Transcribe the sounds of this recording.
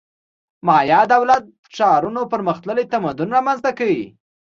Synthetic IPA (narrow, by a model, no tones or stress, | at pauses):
mɑjɑd̪awlat̪̚əʃɑɾunopəɾməxt̪ləlet̪amad̪ʊnɾɑmanzt̪akawi